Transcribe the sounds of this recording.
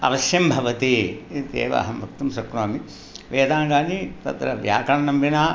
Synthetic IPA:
ɐ̰ʋɐsjɐmbʱɐʋɐt̪it̪ḛːʋɐ̰ːɦɐmɐkt̪umsɐkɾaːmi | ʋeːd̪aːŋɡaːnit̪ɐ̰t̪ɾɐʋjaːkɐɳɐnɐmbinaː

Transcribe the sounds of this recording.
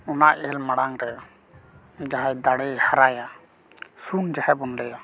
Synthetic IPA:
ɔnaʔɛlmaɽaŋɾɛ | d͡ʒaɦajd̪aɽɛhaɾaja | sund͡ʒahɛbɔnlɛja

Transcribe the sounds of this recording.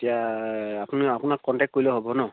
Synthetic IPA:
etijaːpuniapʊnakːɔntɛk̚kojlɔɦobɔnɔ

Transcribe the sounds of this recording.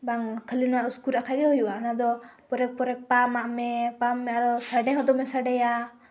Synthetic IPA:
baŋkʰəlinɔwaʔuskuɾakʰaɡɛɦɔjuʔaʔnad̪ɔpɔɾɛk̚pɔɾɛk̚pamaʔmɛpamːɛaɾɔsaɖɛɦɔd̪ɔmɛsaɖɛja

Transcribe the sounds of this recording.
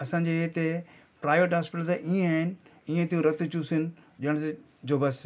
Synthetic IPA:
ɐsãːɲd͡ʑeet̪e | pɾaːɪʋeʈɦaːspɪʈəlt̪eʔiẽaːɦɪnɪ̆iːẽt̪ĩũɾɐt̪̆t͡ɕusɪnɪ̆ɗɪəɽ̃s̬e | d͡ʑoːbɐs

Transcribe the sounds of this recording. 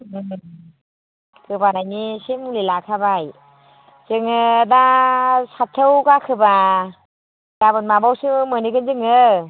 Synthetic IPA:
ɯ | kɯbanajnisimulilakʰabaj | z̥ɯŋɯdasatʰːɯwkakʰɯba | jabɯnmabawsɯɯmɯniɡɯnzɯŋɯ

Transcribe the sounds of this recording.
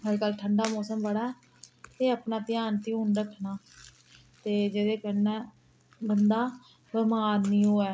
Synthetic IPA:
ɦəɾeːkəlʈʰəɳɖaːmɔːsəmbəɽaːɛː | eːəpnaːt̪ɪjaːnt̪iːɦʊnɾəkʰnaː | t̪eːd͡ʒeːdeːkəɾnɛː | bənd̪aː | bəmaːd̪nĩːɦoːɛː

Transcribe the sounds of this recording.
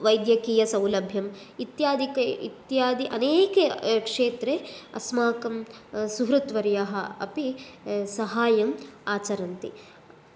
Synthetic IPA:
ʋɐjd̪jɐkiːjɐsɐ̃wlɐbʱjɐm | it̪jaːd̪ikɐit̪jaːd̪iʔɐneːkɐkʂeːt̪ɾeɐ̰smaːkɐmsuɦɾut̪ʋɐɾjɐɦɐɐ̰pisɐɦaːjɐmaːt͡ʃɐɾɐnt̪i

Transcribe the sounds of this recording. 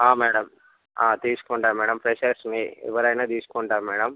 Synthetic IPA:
aːmɛːɽɐm | aːt̪iːsu̥kuɳʈaːɾmɛːɽɐmpɾeʃɐɾsniɛ̰ʋɐɾɐjnaːt̪iːsu̥kuɳʈaːɾmɛːɽɐm

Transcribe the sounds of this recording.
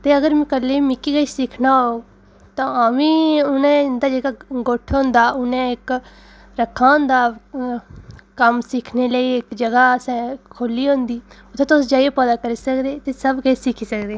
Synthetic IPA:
t̪eːəɡəɾmɛ̃ːkəlːeːmɪkːiːɡəisɪkʰnaːoːɡ | t̪ãːaʋĩːʊnẽːd̪aːd͡ʒeːɡaːɡoːʈʰõːnd̪aːʔʊnẽːɪk | ɾəkʰːãːnd̪aː | kəmsɪkʰneːləiːɪkd͡ʒəɡaːsɛ̃kʰoːliːɦõːnd̪iːʊt̪ʰːẽːt̪ʊsd͡ʒaːiepəd̪aːkəɾiːsəkd̪eːt̪eːsəbɡəiːsɪkʰiːsəkd̪eː

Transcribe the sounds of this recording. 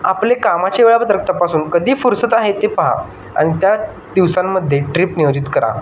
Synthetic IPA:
aplekamat͡ɕeʋeɭabət̪ɾək̚t̪apasuːnkəd̪ʱiːfuɾsət̪aɦet̪epəɦa̰ | a̰ɽ̃it̪ja | d̪iʋsamːəd̪ʱːjeʈɾiːpnijod͡ʑit̪kəɾa̰

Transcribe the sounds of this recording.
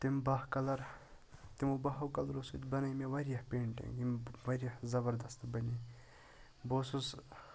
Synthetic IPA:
t̪imbɐɦkɐlɐɾ | t̪imubɐɦɐwkɐlɾosut̪bɐnɐjmeʋɐɾʲjɐhpeːɳʈḭŋɡimʋɐɾʲjɐhzɐbɐɾd̪ɐst̪bɐni | boːsus

